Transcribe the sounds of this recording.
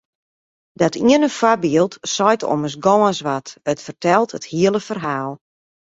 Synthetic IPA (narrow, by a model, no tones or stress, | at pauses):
dɔtʰiənəfwabiəlˠtsɔjtɔ̰məs̬ɡɔːənsʋatətfərtʰɛlˠtəthiəlˠəfərɦaːlˠ